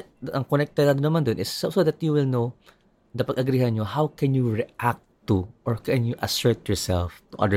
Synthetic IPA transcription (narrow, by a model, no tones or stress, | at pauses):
ʔɐŋkonɛk̚t̪ɛd̪ɐd̪nːɐmand̪onʔɪsːosod̪ɐt̪̚juwɪlno | nɐpɐɡʔɐɡɾiːhɐnɲohawkɛnjuɹɛʔak̚tt̪uʔɔɹkɛnjuʔɐsɔɹt̪̚jɔɹsɛ̰lft̪uʔɐ̰d̪ə